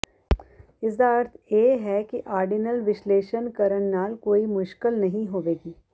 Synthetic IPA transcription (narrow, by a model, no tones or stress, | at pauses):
ɪs̬d̪aːɐɾt̪ʰjeːɦɛkiʔaːɾɖinəlʋɪʃleːʃənkɐɾəɳnaːlkoːimʊʃkɪlnɐɦĩɦoːʋeːɡiː